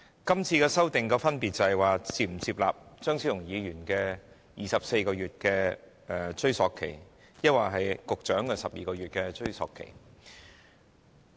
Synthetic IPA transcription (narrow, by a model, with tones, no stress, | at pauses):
kɐ˥mt͡sʰiː˧kɛː˧sɐ˥wt̪ɪ˨ŋkɔː˧fɐ˥npiː˨t̚t͡sɐ˨hjwaː˨t͡siː˨˩m̩˨˩t͡siː˧p̚laː˨p̚t͡ʃœː˥ŋsʰiː˨˥jʊ˨˩ŋjiː˨˧jyː˨˩nkɛː˧ | jiː˨sɐ˨p̚se˧jkɔː˧ɥyː˨t̚kɛː˧ | ɛ˨˧t͡ʃɵ˥ɥsɔː˨˧kʰːe˨˩j | jɐ˥t̚waː˨˩ɦɐ˨jkʊ˨k̚t͡ʃœː˨˥ŋkɛː˧sɐ˨p̚jiː˨kɔː˧ɥyː˨t̚kɛː˧t͡ʃɵ˥ɥsɔ̰ː˨kʰːḛ˨˩j